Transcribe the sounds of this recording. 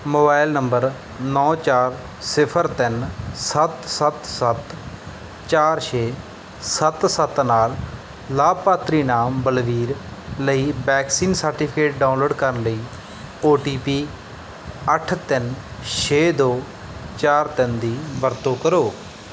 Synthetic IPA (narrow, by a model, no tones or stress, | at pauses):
moːbaːɪlnəmbəɾ | nɔ̃ːt͡ʃaːɾ | sɪpʰəɾt̪ɪnsət̪sət̪sət̪ | t͡ʃaːɾʃʰeː | sət̪sət̪naːlː | aːbpaːt̪ɾiːnaːmbəlʋiːɾləiːbɛːksiːnsəɾʈɪːpʰkeːʈ̚ɖaːʊnloːɖkəɾənləiː | oːʈiːpiː | əʈʰt̪ɪnʃʰeːd̪oː | t͡ʃaːɾt̪ɪnd̪iːʋəɾt̪õːkəɾoː